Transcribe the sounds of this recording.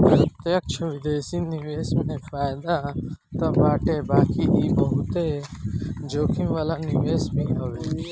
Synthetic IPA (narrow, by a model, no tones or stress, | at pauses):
t̪eɐkʃʰəʋid̪eːsiniʋeːsmẽfaːjd̪at̪ɐbaːʈebaːkiʔibɐɦut̪e | d͡ʒoːkʰĩmʋaːlaniʋeːsmẽɦɐʋe